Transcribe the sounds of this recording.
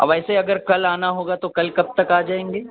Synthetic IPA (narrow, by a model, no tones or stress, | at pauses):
ɐ̰bɛːseɐɡəɾkɐlaːnaɦoːɡat̪okɐlkɐb̚t̪ɐkaːd͡ʒaːẽːŋɡeː